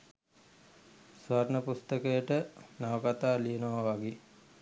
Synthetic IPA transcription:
sʋaɾnəpust̪əkəjəʈənaʋəkat̪aːlijənoʋaʋaɡe

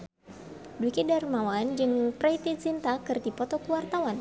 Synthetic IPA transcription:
dwikidarmawand͡ʒɨŋpɾajt̪isint̪akɨrdipɔt̪ɔkuwart̪awan

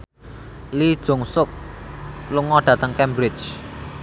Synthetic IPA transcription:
lid̥ʒ̥o̤ŋsʊk̚ | luŋɔɖ̥ä̤t̪əŋkɛmbɾɪ̥t͡ʃ

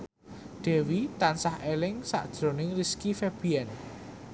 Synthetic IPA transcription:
d̪̥ɛ̤wit̪ansahelɪŋsa̰ʔd̥ʒ̥ɾo̤nɪŋriskifɛb̥iɛn

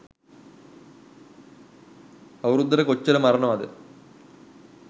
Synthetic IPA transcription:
ɐʋɐrut̪ːɐɾekot͡ɕːɐlɐmːɐrɐɳɐmɐðɨ

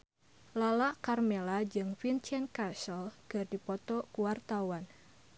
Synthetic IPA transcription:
lalaʔkarmelad͡ʒɨŋfint͡ʃɛnkasəlɡ̥ərdipɔt̪ɔkuwart̪awan

